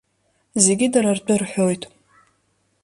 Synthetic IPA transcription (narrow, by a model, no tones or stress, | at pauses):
zeɡʲɪdaɾardʷʰʼɨrħojtʼ